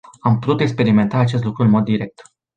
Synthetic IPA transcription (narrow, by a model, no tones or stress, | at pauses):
ampu̥t̪ut̪eks̬pe̞ɾime̞nt̪aːt͡ʃe̞s̬t̪lukɾuɨnmo̞d̪ːiɾe̞k̚t̪